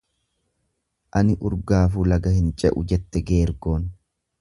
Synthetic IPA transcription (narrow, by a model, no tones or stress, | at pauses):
ʔɐnɪʔʊɾɡaːfuːlɐɡɐhɪnt͡ʃʼɛ̰ʔʊ̰d͡ʒɛt̪ːɛɡe̞ːɾɡo̞ːn